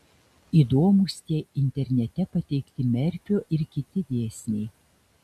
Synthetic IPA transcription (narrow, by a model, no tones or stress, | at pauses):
iːd̪oːmuˑsʲt̪ʲiɛɪnʲt̪ʲɛɾʲnʲɛt̪ʲɛpɐt̪ʲɛɪkt̪ʲɪmʲɛɾʲpʲoːʔɪɾkʲɪt̪ʲɪd̪ʲeːsʲnʲɛɪ